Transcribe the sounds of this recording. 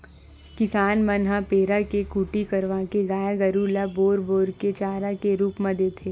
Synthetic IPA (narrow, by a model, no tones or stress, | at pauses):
kɪsaːnmənɦapeːɾakekuːʈikɐɾʋaːkeɡaːjaɡəɾuːlaboːɾboːɾket͡ʃaːɾakeɾuːpmɐ̃d̪eːt̪ʰeː